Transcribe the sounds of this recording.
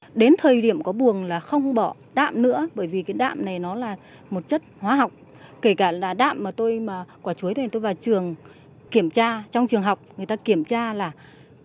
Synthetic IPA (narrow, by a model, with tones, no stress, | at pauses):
ɗe˨˦nt̪ʰəː˨˩jɗi˧˩əmkɔ˨˦ɓu˨˩əŋlaː˨˩xə˧wŋ͡mɓɔ˧˩˨ | ɗa̰ː˧˨mnɨ̰˧˥əɓəː˧˩jvi˨˩kaː˨˦jɗa̰ː˧˨mna˨˩jnɔ˨˦laː˨˩ | mo˨˩t̚t͡ɕə˦˥t̚hwaː˨˦ɦa˨˩wk͡p̚ | ke˧˩kaː˧˩la̰ː˧˩ɗa̰ː˧˨mːaː˨˩t̪o˧jmaː˨˩kwaː˧˩t͡ɕu˨˦əj̪ʰt̪o˧jvaː˨˩wt͡ɕɨ˨˩əŋ | ki˧˩əmt͡ɕaː˧t͡ɕɔ˧wŋ͡mt͡ɕɨ˨˩əŋɦa˨˩wk͡p̚ŋɨ˨˩əjt̪aː˧ki˧˩əmt͡ɕaː˧laː˨˩